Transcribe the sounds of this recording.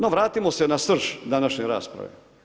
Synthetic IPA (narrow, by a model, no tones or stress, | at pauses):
noʋɾaːt̪imosenasr̩ʃd̪anaʃɲeɾa̰ːspɾa̰ʋḛ